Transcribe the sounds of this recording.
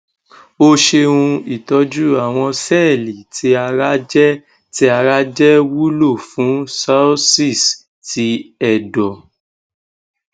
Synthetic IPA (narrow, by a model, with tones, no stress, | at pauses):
o˦ʃẽ˧ũ˧i˦˨tɔ˨˦d͡ʒu˦a˨w̃ɔ̃˧sɛ˦˨li˨tʰi˧˦a˧ɾa˦d͡ʒɛ˦ | ti˧˦a˧ɾa˦d͡ʒɛ˦wu˦lo˦˨fũ˨˦sa˦si˦˨s | ti˧ɛ˦˨dɔ˨